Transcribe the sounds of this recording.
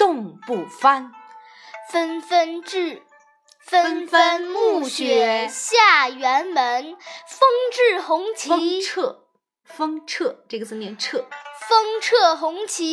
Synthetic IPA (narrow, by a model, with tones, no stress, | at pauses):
t̪ʊ˥˧ŋpu˥˩fa˥n | fə˥nfə˥nʈ͡ʂɻ̩˥˩ | fə˥nfə˥nmu˥˩ɕɥɛ˨˧˩ɕja˥˩ɥɛ˧˥nmə˧˥nfɤ˥ŋʈ͡ʂɻ̩˥˩xʊ˧˥ŋt͡ɕʰi˧˥˧ʈ͡ʂʰɤ˥˩ | fɤ˥ŋʈ͡ʂʰɤ˥˧ʈ͡ʂɤ˥˩ɡə˩t͡sɹ̩˥˩njɛ˧˥nʈ͡ʂʰɤ˥˩fɤ˥ŋʈ͡ʂʰɤ˥˩xʊ˧˥ŋt͡ɕʰi˧˥